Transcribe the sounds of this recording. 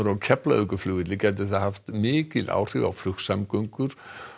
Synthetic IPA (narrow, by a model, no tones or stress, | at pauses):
ɾɔkʰɛpla̰œkəflʏːɪd̪lɪkat̪ɪθahaft̪mɪːkɪða̰wr̥ɪa̰wflʏksamɡœŋkʏɾ̥